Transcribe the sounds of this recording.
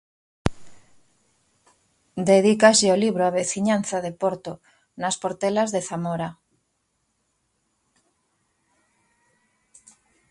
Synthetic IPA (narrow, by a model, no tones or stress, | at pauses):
d̪eðikaseoliβɾoaβeθiɲan̟θaðepoɾt̪o | naspoɾt̪elazðeθamoɾa